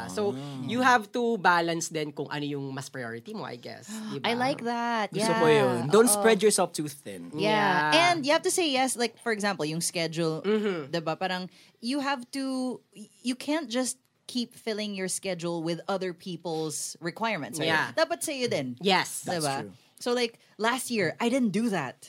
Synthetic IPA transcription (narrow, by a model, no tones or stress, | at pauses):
sojuɦavt̪ubalɐnsd̪ɛnkʊŋʔɐ̰nojʊŋmɐspɹajo̰ɹɪt̪imo̰ʔa̰jɡɛ̰sd̪ɪbajlaɪk̚ðæt̪̚jasojond̪õwnt̪spɹɛd̪jɔɹsɛlft̪uθd̪ɛ̰̃njæaɛ̃nd̪juhævt̪useɪjɛslaɪk̚fɔɹɛɡzãmpəlˠjʊŋskɛd͡ʒul̩ˠd̪ɛbapaːɾɐ̃ŋ | juɦævt̪u | jɨkʰæ̃nt̚d͡ʒ̥ʌst̪̚ | kʰipfɪlˠɪ̃ŋjɔɹskɛd͡ʒulˠwɪðʌðə˞pʰipəlˠsɹɪkwaɪɹmɛ̃nt̪sd̪at̚bʌt̪seɪjɨd̪ɛ̃njɛsd̪ɛba | soʊlaɪk̚ | læst̚jiɹʔajdɪd̪ⁿn̩̚d̪ɨðæt̪̚